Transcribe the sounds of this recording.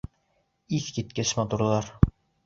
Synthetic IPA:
iθkit̪kɘɕmɑt̪uɾlˠɑɾ

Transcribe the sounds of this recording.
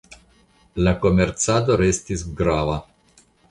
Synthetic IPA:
lakomert̪saːd̪oɾɛst̪izɡɾaːva

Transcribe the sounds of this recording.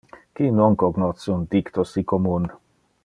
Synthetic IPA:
kinoŋkoɡnɔt̪sund̪ikt̪osikomun

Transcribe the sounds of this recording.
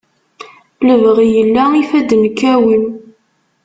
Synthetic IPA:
ləvʁijəlːæifæd̪nkːæwən

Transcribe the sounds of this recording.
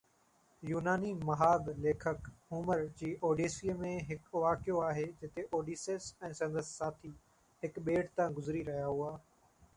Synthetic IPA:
juːnaːnimɐɦaːd̪leːkʰəkɦuːməɾd͡ʑiːʔoːɖeːsijəmẽɦɪkʋaːkɪjoaːɦeːd͡ʑɪt̪eʔoːɖiːseːsɛ̃ːsɐ̃nd̪əsːaːt̪ʰiː | ɦɪkɓeːʈt̪ãɡʊzɾiɾɐɦijaɦʊaː

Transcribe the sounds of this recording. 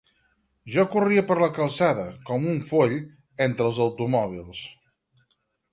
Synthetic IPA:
ʒɔkuriəpəɾləkəlˠsaðəkɔmuɱfoʎ | ent̪ɾəlˠzəwt̪umɔβ̞ilˠs

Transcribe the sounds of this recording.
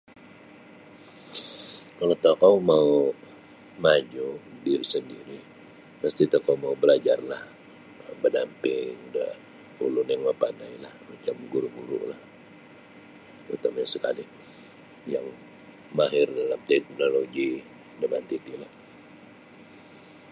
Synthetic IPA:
kalot̪akawmau | mad͡ʒudiɾisəndiɾi | məst̪it̪akawmaubəlad͡ʒarlah | əbədampɪŋdə̰ | ulʊnjaŋməpandailahmat͡ʃamɡuɾuɡuɾʊ̰ʔlah | t̪ərt̪amaɲasəkali | jaŋ | maɦɪrdalamt̪ɛt̪̚mnoloɡi | dəbant̪it̪ilah

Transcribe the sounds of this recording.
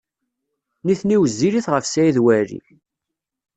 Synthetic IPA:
niθniwəzːiliθʁəfsæjiðwæɾḭ

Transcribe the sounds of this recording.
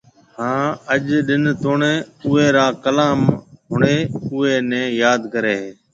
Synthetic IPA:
hãːəʄɗɪnt̪oːɳẽːʊːeːɾaːkəlaːmɦʊɳeːʊeːnɛ̃ːjaːd̪kəɾeː

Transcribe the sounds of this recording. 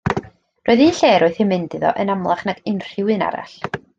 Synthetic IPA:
roːɨðiːnɬeːɾɔɨθɪmɨndɨðɔ̰ʔənamlˠaχnaɡɪnr̥ɪwɨna̰ɾa̰ɬ

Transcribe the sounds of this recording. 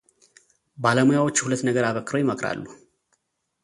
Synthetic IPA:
baləmujawo̞t͡ʃːhulət̪ːnəɡəɾaβəkːɨɾojɪməkɾa̰lːu

